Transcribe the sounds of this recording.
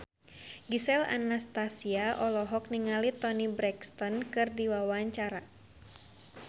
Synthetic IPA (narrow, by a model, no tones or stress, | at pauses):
ɡisɛla̰nast̪asiaʔɔlɔɦɔk̚niŋalit̪ɔnibɾɛkst̪ɔnkɨrdiwawaɲt͡ʃaɾa